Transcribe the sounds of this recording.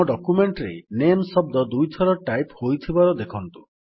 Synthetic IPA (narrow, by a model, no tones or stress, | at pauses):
ɔɖɔkumeɳʈɾḛnemsɔbd̪ɔd̪ujt̪ʰɔɾɔʈajphojt̪ʰibaɾɔd̪ekʰɔnt̪u̥